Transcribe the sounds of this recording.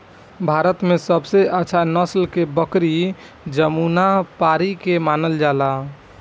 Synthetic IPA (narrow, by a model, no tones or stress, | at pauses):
bʱaɾət̪mesəbseəːʃʰanəslkebəkɾi | d͡ʒəmunapaɾikemanəld͡ʒala